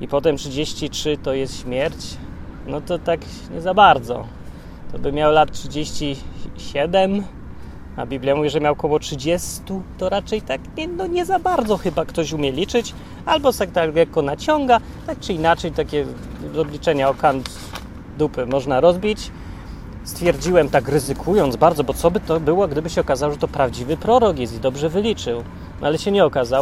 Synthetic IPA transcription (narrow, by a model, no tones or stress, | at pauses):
ipɔt̪̬ɛmtʂɘd͡ʑeɕt͡ɕitʂɘt̪ɔjɛst̪ɕmʲjɛɾt͡ɕnɔt̪ɔt̪ak | ɲɛzabaɾd̪zɔ̰ | t̪ɔbɘmʲjawlat̪̚tʂɘd͡ʑeɕt͡ɕiɕɛd̪ɛm | a̰bʲiblʲjamuvʲiʐɛmʲjawkɔwɔtʂɘd͡ʑɛst̪ut̪ɔɾat͡ʂɛjt̪akɲɛnɔɲɛzabaɾd̪zɔxɘbakt̪ɔɕumʲjɛlʲit͡ʂɘt͡ɕ | albɔsɛkt̪alɡɛkɔnat͡ɕɔŋɡa | t̪ak̚t͡ʂɘinat͡ʂɛjt̪akʲɛzɔblʲit͡ʂɛɲaɔkant̪ | d̪upɘmɔʐnaɾɔzbʲit͡ɕ | st̪fʲjɛɾd͡ʑiwɛmt̪akɾɘzɘkʰujɔnd̪zbaɾd̪zɔbɔt̪sɔbɘt̪ɔbɘwɔɡd̪ɘbɘɕɛɔkazawɔʐɛt̪ɔpɾavd͡ʑivɘpɾɔɾɔkjɛst̪id̪ɔbʐɛvɘlʲit͡ʂɘw | n̰alɛɕɛɲɛɔkazaw